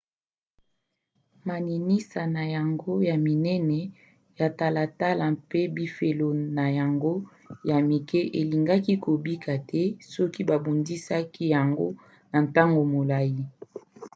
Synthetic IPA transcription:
ma˨ni˨ni˦sa˨na˨ja˨ŋɡo˦ja˨mi˨nɛ˦nɛ˨ | ja˨ta˨la˨ta˦la˨mpe˦bi˦fe˨lo˨na˨ja˨ŋɡo˦ | ja˨mi˨kɛ˦ʔe˨li˨ŋɡa˦ki˦ko˨bi˦kʰa˨tʰɛ˦sɔ˦ki˦ba˨bo˨ndi˦sa˦ki˦ja˨ŋɡo̰˦ | na˨nta˦ŋɡo˨mo˨la˦ji˦

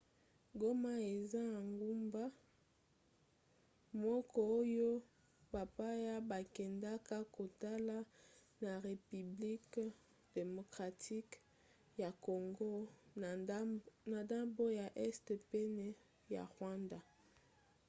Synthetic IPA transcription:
ɡo˦ma˦e˨za˦a˨ŋɡu˦mba˦ | mɔ˦kʰɔ˦o˦jo˦ | ba˨pa˦ja˦ba˨kɛ˨nda˦ka˦ko˨ta˦la˦ | na˨ʁe˨py˨bli˦k | d̥e˨mo˨kʁa˨tʰi˦k | ja˨ko˨ŋɡo˦ | na˨da˦bo˦ja˨ʔɛ˦sde˨pe˦nɛ˦ | ja̰˨ʁwa˦nda˨

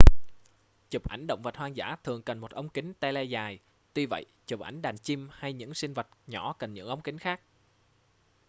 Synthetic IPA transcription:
t͡ɕɨ˨˩p̚ʔa˧˩jŋ̟ɗə̰˧˨wŋ͡mvə˨˩t̚hwaː˧ŋza̰ː˧˥t̪ʰɨ˨˩əŋkə˨˩nmo˨˩t̚ʔə˧wŋ͡mkï˨˦ŋ̟t̪ɛ˧lɛ˧zaː˨˩j | t̪wi˧və̰˧˨jt͡ɕɨ˨˩p̚ʔa˧˩jŋ̟ɗaː˨˩nt͡ɕi˧mha˧jɲɨ̰˧˥ŋsï˧ŋ̟və˨˩t̚ɲɔ̰˧˩˥kə˨˩nɲɨ̰˧˥ŋʔə˧wŋ͡mki˨˦ŋ̟xaː˦˥k̚

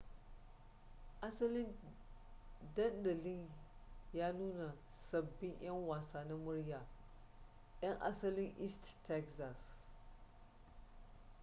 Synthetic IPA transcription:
ʔa˦sɐ˦lɪ˦n | dɐ˦ndɐ˨lɪ˦njaː˦nuː˦na˨ | sɐ˨bːɪ˦ɲʔj̰ɐ˦ŋwaː˨saː˦na˦mʊ˦ɽjaː˨ | j̰ɐ˦ŋʔa̰˦sɐ˦lɪ˦ŋʔi˦sttːɛ˦kza˨s

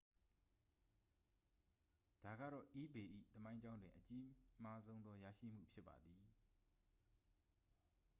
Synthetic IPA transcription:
d̥a˨ɡa̰˦˨ɾɔ̰˦˨ʔi˦be˨ʔḭ˦˨t̪əmã˦ɪ̃ɲd͡ʑã˦ʊ̃ndwɪ̃˨ʔət͡ɕi˦ma˦zõ˦ʊ̃nd̪ɔ˦ja̰˦˨ʃḭ˦˨m̥ṵ˦˨pʰjɪ˦pːa̰˨d̪i˨

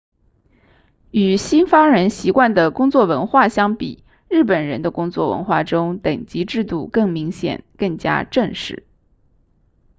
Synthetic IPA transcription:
y˨˩ɕi˥nfɑ˥ŋɻə˧˥nɕi˧˥kwa˥˩nd̪ə˩kʊ˥ŋt͡swɔ˥˩wə˧˥nxwa˥˩ɕjɑ˥ŋpḭ˨˩˦ | ɻɻ̩˥˩pə˨˩nɻə˧˥nd̪ə˧kʊ˥ŋt͡swɔ̰˥˩wə̰˧˥nxwa˥˩ʈ͡ʂʊ˥ŋt̪ə˨˩ŋt͡ɕi˧˥ʈ͡ʂɻ̩˥˧t̪u˥˧kɤ˥˩ŋmi˧˥ŋɕjɛ̰˨˩nkɤ˥˩ŋt͡ɕja̰˥ʈ͡ʂə˥˧ŋʂɻ̩˥˩˦

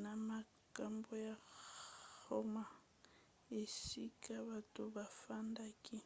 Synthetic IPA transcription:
na˨ma | kʼa˦mbɔ˦ja | hɔ˦ma˨ | e˨sikʼaβatʼʊ˨ba˨fanda˦kʼɪ˦

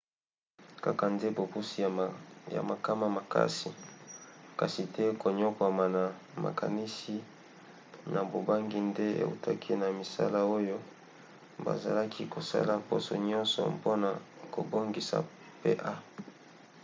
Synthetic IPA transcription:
ka˦ka˨nde˦bo˨bu˦si˦ja̰˨ma˨ka˦ma˨ma˨ka̰˦si˨ | ka˨si˨tɛ˦ko˨ɲo˦kwa˨ma˨na˨ | ma̰˨ka˨ni˦si˦ | na˨bo˨ba˦ŋɡi˦nde˦ḛ˨ṵ˨tʰa˦kʰi˦na˨mi˨sa̰˦la˦o˦jo˦ | ba̰˨za̰˨la˦kʰi˦ko˨sa̰˦la˨mpo̰˦sɔ̰˨ɲɔ˦nsɔ̰˨mpo˦na˨ko̰˨bo˦ŋɡi˨sa̰˨ | pḛ˦ʔa˦

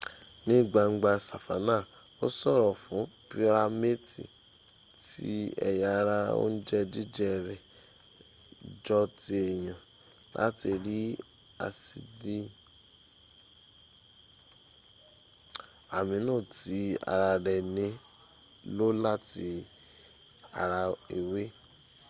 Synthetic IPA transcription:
nĩ˦˨ɡ͡ba˧ŋŋ͡m̩˦ɡ͡ba˧sa˨fa˨˦nã˦˨ | o˦sɔ˦˨ɾɔ˨fũ˨˦pi˦ɾa˧me˦tḭ˨ | tḭ˦ɛ̰˧ja˧ɾa˧o̰˦n̩˦d͡ʒɛ˦di˦d͡ʒɛ˦˨ɾɛ˨ | d͡ʒɔ˧ti˧ɛ˨j̃ã˨ | lʔa̰˨˦ti˧ɾi˦ | a̰˧si˧di˦ | a˨mĩ˨˧˦nãː˦˨ti˨˦a̰˧ɾa˧ɾɛ˨nĩ˨˦ | lo˦la˦˨ti˧ | a̰˨ɾa˧e˨we˦

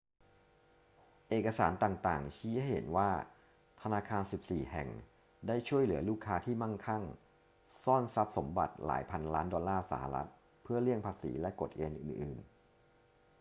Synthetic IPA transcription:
ʔeː˨˩ka˧saː˩˦nt̪aː˨˩ŋt̪aː˨˩ŋt͡ɕʰiː˦˥ha˥˩jhḛ˩˦nwaː˥˩ | t̪ʰa˧naː˧kʰaː˧nsi˨˩p̚siː˨˩hɛ̰˨˩ŋ | daː˥˩jt͡ɕʰu˥˩əjlɯ˨˩˦ɐluː˥˩kʰːaː˦˥t̪ʰiː˥˩ma˥˩ŋkʰa˥˩ŋ | sɔː˥˩nsa˦˥p̚so˩˦mba̰˨˩t̪̚la̰ː˩˦jpʰa˧nlaː˦˥ndɔː˧lːaː˥˩sa̰˩˦ha̰˨˧ɾa̰˦˥t̪̚ | pʰɯ˥˩ɐli˥˩əŋpʰaː˧sḭː˩˦lɛ˦˥ko˨˩t̪̚ʔeː˧nʔɯ̰ː˨˩nʔɯː˨˩n

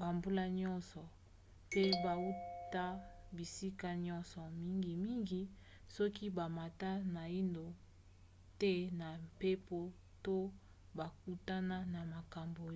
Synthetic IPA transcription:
ba˨mbu˦la˦ɲɔ˦nsɔ˨ | pe˦ba˨u˦ta˦ | bi˨si˦ka˦ɲɔ˦nsɔ˨mi˦ŋɡi˨mi˦ŋɡi˦ | sɔ˦ki˦ba˨ma˨ta˦na˨i˦ndo˨ | te˦na˨mpe˦po˦ | to˦ | ba˨k̚u˦ta˦na˦na˨ma˨ka˨mbo˨˦

